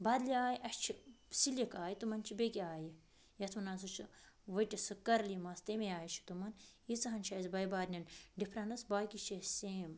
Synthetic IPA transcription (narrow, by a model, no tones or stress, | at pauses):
bɐd̪liaːjiʔɐʃt͡ʃʰisiljikaːjit̪umɐnt͡ʃʰibekʲiaːji | jɐt̪ʰmɐnaːnsut͡ʃʰi | ʋɐʈʲisɨkɐɾlimɐst̪ɐmejaːjit͡ʃʰi̥t̪umɐnit͡sɨɦɐnt͡ʃʰɐzbɐjbaːɾnʲɐnɖipʰɾɐnɐsbaːkit͡ʃʰiseːm